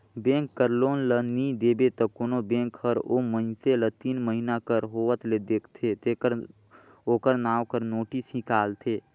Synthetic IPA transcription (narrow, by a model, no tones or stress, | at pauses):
bẽːŋkːəɾloːnlənid̪eːbet̪əkoːnobẽːŋkhəɾomənselət̪iːnməɦinakəɾɦoːʋət̪led̪eːkʰt̪ʰet̪ekəɾ | oːkəɾnaːwkəɾnoːʈisɦĩkaːlt̪ʰeː